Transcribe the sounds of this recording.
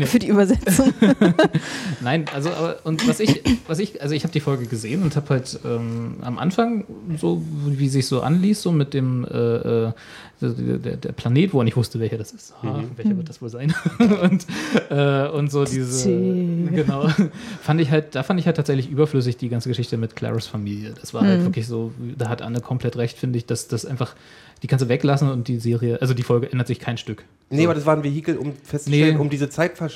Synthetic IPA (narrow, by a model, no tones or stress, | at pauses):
nefyːɐdiːybɐzɛt͡sʊŋ | naɪnʔalzoʔaːbɐʔʊntvasɪçvasɪçʔalzoɪçhaːbədiːfɔlɡəɡəzeːənʊnthaːbəhaltʔɛːmʔa̰mʔa̰nfaŋzoːviːzɪçz̥oːʔa̰nliːsz̥oːmɪt̚d̥eːmʔɛ̰ːʔɛ̰̥ː | od̰dḛːɐdḛːɐpʰl̥aneːtv̥oʁanɪçv̥ʊstəvɛlçɐɾasɪ̥stːanvɛlçɐvɪɐt̚d̥asv̥oːlzaɪnʊntʔɛːʔʊntz̥oːdiːzə | ɡ̥ənaʊfandɪçɦalt̚d̥aːfandɪçhatʰːaːtz̥ɛçlɪçʔyːbɐflʏs̬ɪçd̥iːɡant͡səɡəʃɪçtəmɪtkʰl̥ɛ̰ʁəsfamiːljəd̥asv̥aːɐhalvɪɐklɪçz̥oːd̥aːɦatʔa̰nəkʰɔmpl̥ɛtʁɛçtfɪndəɪçd̥asd̥asʔaɪnfaχ | d̥iːkʰans̬təvɛklasn̩ʊnt̚d̥iːzeːʁiəʔalzodiːfɔlɡəʔɛndɐtz̥ɪçkʰaɪnʃtʏk | neʔabɐɾasv̥aːɐnvehiːkl̩ʊmfɛstt͡snəɛnʊmdiːzət͡saɪtfɛɐʃ